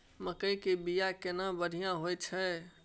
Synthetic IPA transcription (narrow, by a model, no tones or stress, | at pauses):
məkəjkebijakenãbəɽ̤ʱijãɦojt͡ʃʰə